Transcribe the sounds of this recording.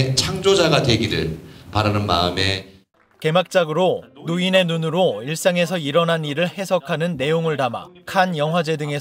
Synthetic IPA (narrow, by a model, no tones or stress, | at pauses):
t͡ɕʰaŋd͡ʑod͡ʑaɡadwe̞ɡiɾɯ̰ɭpaɾanɯnma̰ɯme̞ | ke̞mak̚t͡ɕ͈aɡɯɾonoine̞nunɯɾoiɭs͈aŋe̞sʰʌiɾʌnaniɾɯɭhe̞sʰʌkʰanɯnːe̞joŋɯɭtama̰kʰanjʌŋɦwad͡ʑe̞dɯŋe̞